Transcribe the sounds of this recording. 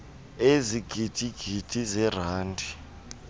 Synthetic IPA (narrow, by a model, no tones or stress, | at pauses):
eziɡ̥ʱid̥ʱiɡ̥ʱid̥ʰʼʱizɛr̤aːndʱi